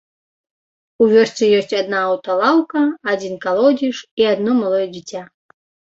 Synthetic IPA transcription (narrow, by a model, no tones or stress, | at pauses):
uvʲɔst̪sɨjɔsʲt͡sʲad̪naːwt̪ɐlˠawkɐːd͡zʲinkalˠɔd͡zʲiʂiad̪nɔmalˠɔjɛd͡zʲit͡sʲa